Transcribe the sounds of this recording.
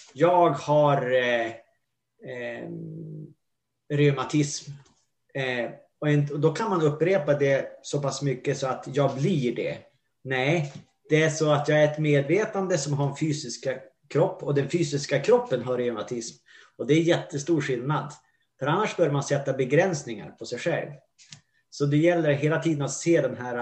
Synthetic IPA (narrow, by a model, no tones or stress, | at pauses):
jɑːɡhaɾ | ɾɛmat̪ʰɪsm | ɔɛnɔd̪ɔkʰanmanɵpːɾeːpad̪ɛsɔpʰasːmʏkːəsɔat̪jɑːɡbliɖɛ̰ | nɛ | d̪̥ɛæʂɔat̪jɑːɡæɾɛt̪meːd̪veːt̪and̪əsɔmɦaɾnfyːsɪska | kʰɾɔpːɔd̪ɛnfyːsɪskakʰɾɔpːənɦaɾɛmat̪ʰɪsm | ɔd̪ɛːɾjɛt̪ʰːəst̪uːɾɧɪlnad̪ | fœɾanːaʂbœɾjmansɛt̪ːabɛɡɾɛnsnɪŋa̰ɾpʰɔsɛjɧɛ̰lv | sɔd̪ɛjɛlːəɾɦeːlat̪ʰiːd̪ənat̪seːd̪ɛnɦæːɾa